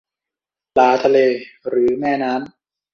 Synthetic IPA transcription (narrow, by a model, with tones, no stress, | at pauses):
laː˩˦t̪ʰa˧leː˧ɾɯː˩˦mɛː˥˩naː˦˥m